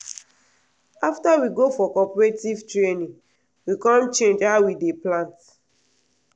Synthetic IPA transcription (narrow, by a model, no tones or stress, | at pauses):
aftawiɡofɔkɔpɔɹetivtɹenĩŋ | wikɔ̃mt͡ʃẽnd͡ʒhaʊwideplãnt